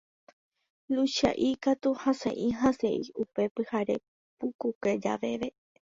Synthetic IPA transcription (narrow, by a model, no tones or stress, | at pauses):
luʃa̰ʔikat̪uhãsḛ̃ʔĩɦãse̞̰iupe̞pɨhaɾe̞̰ | pukuked͡ʒa̰ʋe̞ʋe̞